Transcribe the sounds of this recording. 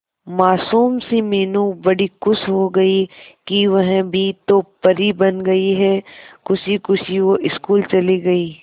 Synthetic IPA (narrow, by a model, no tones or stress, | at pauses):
maːsuːmsimeːnũbɐɽikʊsɦoɡɐikiʋɐɦbʱit̪opɐɾibɐnɡɐiɦɛkʊsikʊsiʋoʔɪskuːlt͡ʃɐliɡɐiː